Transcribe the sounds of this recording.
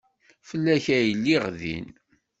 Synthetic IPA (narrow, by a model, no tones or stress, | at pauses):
fəlːæçæjəlːiʁðḭn